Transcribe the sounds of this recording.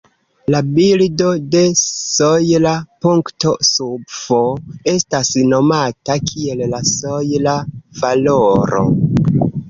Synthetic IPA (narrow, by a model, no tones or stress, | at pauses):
labildo̞de̞sojlapuŋkto̞subvoe̞stasno̞matakʰie̞llasojlavaloɾo̞̰